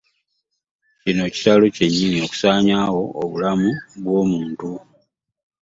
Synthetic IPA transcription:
cino̞ci̥saloce̞ɲːiːɲio̞ku̥saːɲaːwo̞ːβulamuβwo̞ːmuːntu

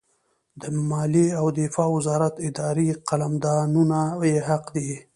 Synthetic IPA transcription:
d̪əmɑliawd̪ɪfɑwɪzɑɾat̪ɪd̪ɑɾiqalamd̪ɑnunajeɦaqd̪i

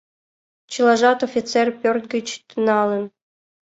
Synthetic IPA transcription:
t͡ɕɯlˠɑʐɑt̪ofʲit̪t͡serpʲørt̪̚ɡə̆t͡ɕt̪ənɑlˠə̆n

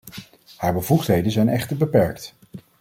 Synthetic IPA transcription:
haːɹbəvuχtɦejdənzɛjnɛχtəɹbəpɛɹkt

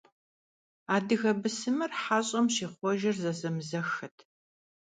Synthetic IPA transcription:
aːdɨɣɐbɨsɨmɨrħaːɕʼɐmɕiːχʷɔʒɐrzɐzɐmzɐxɐtʰ

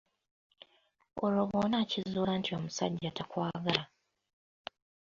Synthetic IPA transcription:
olo̞βoːnaːcizuːlaːntio̞musa̰ɟːatakwaːɡala

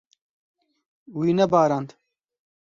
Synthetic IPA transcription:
wiːnɛbaːɾaːnd̪

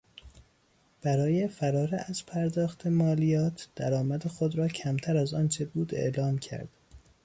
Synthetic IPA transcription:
b̥æɾɒːje̞fæɾɒːɾeæz̥pʰæɾd̪ɒːxt̪ʰe̞mɒːlijɒːt̪ʰd̪̥æɾɒːmæd̪exod̪ɾɒːcʰæmt̪ʰæɾæzɒːnt͡ʃʰe̞buːd̪ḛʔlɒːmcʰæ̰ɾd̪̥

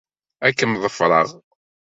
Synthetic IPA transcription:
ækːəmðˤəfɾˤə̰ʁ

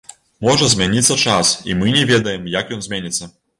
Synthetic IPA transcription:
mɔʐɐzʲmʲanʲit̪sːɐt͡ʂasḭmɨnʲɛvʲɛd̪ɐjɛmjakjɔnzʲmʲenʲit̪sːɐ

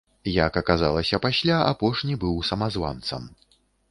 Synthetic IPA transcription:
jakɐkazalˠɐsʲɐpasʲlʲaa̰pɔʂnʲibɨwsɐmazva̰nt̪sɐ̰m

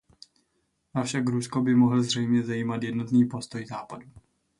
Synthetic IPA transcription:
ʔafʃakɾusko̞bɪmo̞ɦl̩zr̝ɛjmɲɛzajiːmat̪jɛdno̞t̪niːpo̞st̪o̞jzaːpadu

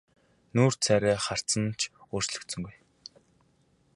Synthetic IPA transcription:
nuːr̥t͡sʰæɾʲæːχar̥t͡sə̆nt͡ɕʰoːr̥t͡ɕɮɵ̆kt̪sɵ̆ŋɡuj

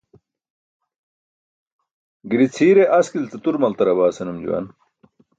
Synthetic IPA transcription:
ɡiɾit͡sʰiːɾeʔɐskilt͡sɐt̪uɾmɐlt̪ɐɾɐbaːsɐnumd͡ʑṵwɐ̰n

